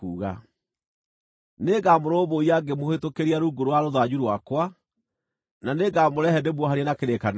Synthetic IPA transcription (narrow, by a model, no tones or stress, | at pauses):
uːɣa | neːɡamoɾoːβoiaɡemohetokeɾiaɾuːɡoɾowaɾoðaɲuɾwakwa | naneɡamoɾɛhɛdebwɔɦaɾjɛnakeɾekan